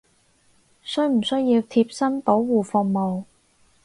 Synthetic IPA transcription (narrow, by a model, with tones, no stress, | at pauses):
sɵ˥ɥm̩˨˩sɵ˥ɥjiː˧wt̪ʰiː˧p̚sɐ˥npo˨˥wwuː˨˩fʊ˧ŋmo˨w